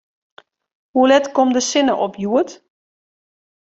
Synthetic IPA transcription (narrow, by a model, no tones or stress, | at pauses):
hulɛtkɔmdəsɪnəʔɔpʰjuət